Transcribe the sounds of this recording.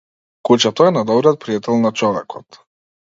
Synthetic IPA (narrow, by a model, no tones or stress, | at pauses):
kut͡ʃat̪ɔɛnad̪ɔbɾijɔt̪̚pɾijat̪ɛlˠnat͡ʃɔvɛkʰɔt̪